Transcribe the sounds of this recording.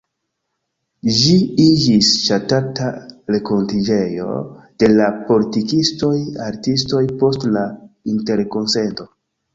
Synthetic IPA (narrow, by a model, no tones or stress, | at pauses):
ʒiid͡ʒisʃatataɾe̞ko̞ntid͡ʒe̞jo̞̰d̥e̞lapo̞litikisto̞jaɾtisto̞jpo̞stlainte̞ɾko̞nse̞nto̞